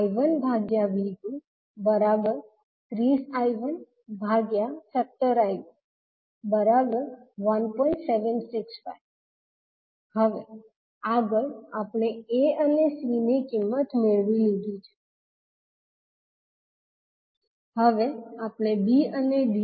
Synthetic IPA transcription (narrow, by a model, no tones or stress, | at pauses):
iʋənbʱaɡjaʋid̪ũ | bəɾabəɾ | t̪ɾisajʋən | bʱaɡjasət̪ːəɾaj | bəɾabəɾʋənpɔiɳʈseʋənsɪksfa̰j | həʋe | aɡəɭapɽ̃eeənesinekɪmːət̪meɭʋilid̪ʱit͡ʃʰe̥ | həʋeapɽ̃ebiəneɖi